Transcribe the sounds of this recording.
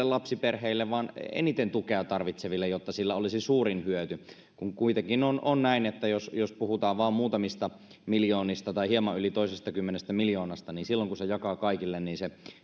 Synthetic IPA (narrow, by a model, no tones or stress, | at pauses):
elɑpsiperheilːeʋʋɑːnḛnit̪ent̪ukeɑt̪ɑrʋit̪seʋilːejot̪ːɑsilːæolisisuːɾinhyøt̪y | kuŋkuit̪eŋkinononnæinet̪ːæjosjospuhut̪ɑːʋʋɑːmmuːt̪ɑmist̪ɑ | miljoːnist̪ɑt̪ɑihiemɑʔylit̪oisest̪ɑkymːenest̪æmiljoːnɑst̪ɑniːnsilːoŋkusejɑkɑːkɑikilːenniːnse